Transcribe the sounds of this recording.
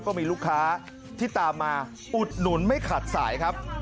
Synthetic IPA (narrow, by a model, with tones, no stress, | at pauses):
kɔː˥˩miː˧luː˥˩kʰːaː˦˥ | t̪ʰiː˥˩t̪aː˧mːaː˧ | ʔu˨˩t̪̚nu˩˦nma˥˩jkʰa˨˩t̪̚sa̰ː˩˦jkʰa˦˥p̚